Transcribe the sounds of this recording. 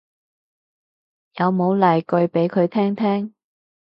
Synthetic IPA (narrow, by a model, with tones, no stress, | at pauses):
jɐ˨˧wmo˨˧wlɐ˨˩jkɵ˧ɥpe˨˥jkʰɵ˨˧ɥt̪ʰɛː˥ŋt̪ʰɛː˥ŋ